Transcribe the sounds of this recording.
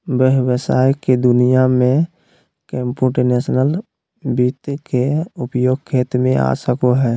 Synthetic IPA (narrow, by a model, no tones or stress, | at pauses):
bəɦwəsaːjked̪ʊnijamẽ | kẽːmpuʈeneːsnəl | biːt̪keʊpjoːɡ̚kʰeːt̪mẽʔa̰ːsəkoɦɛː